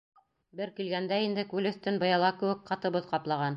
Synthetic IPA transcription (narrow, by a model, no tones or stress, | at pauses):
bɘɾkilɡænd̪æind̪ɘkʉlɵ̆θt̪ɘnbɤ̆jɑlˠɑkɘ̆wɘkqɑt̪ɤ̆βɤðqɑplˠɑʁɑn